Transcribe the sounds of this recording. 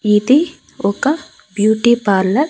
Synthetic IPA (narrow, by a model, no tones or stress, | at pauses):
id̪i | oka | bjuːʈipaːɾlɐɾ